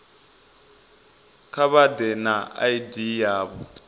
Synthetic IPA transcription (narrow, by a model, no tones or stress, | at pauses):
kʰaβad̪ɛnaa̰idijaːβɔ